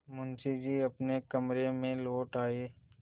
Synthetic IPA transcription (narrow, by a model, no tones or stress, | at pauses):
mʊnsid͡ʒiːɐpnekɐmɾemẽloːʈaːeː